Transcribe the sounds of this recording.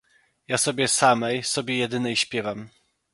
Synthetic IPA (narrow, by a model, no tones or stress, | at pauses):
jasɔbʲɛsamɛjsɔbʲjɛjɛd̪ɘnɛjɕpʲjɛvam